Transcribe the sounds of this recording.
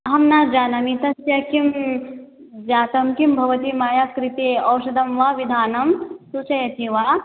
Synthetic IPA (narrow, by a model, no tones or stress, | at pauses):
ɦɐmnaːd͡ʒaːnɐmit̪ɐsjɐkim | d͡ʒaːt̪ɐmkimbʱɐʋɐt̪imaːjakɾit̪eːɐwʃɐd̪ɐmʋaːʋid̪ʱaːnɐmsut͡ʃɐjɐt̪iʋaː